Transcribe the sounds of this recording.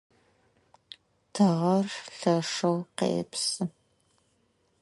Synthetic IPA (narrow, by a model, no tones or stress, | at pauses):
tʰɐʁɐrɬɐʂɐwqḛːpsɨ